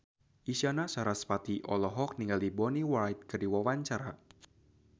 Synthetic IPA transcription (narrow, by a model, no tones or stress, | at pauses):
isanasaɾaspat̪iʔɔlɔɦɔk̚niŋɡaldibɔniwajt̪̚kɨrdiwawaɲt͡ʃaɾa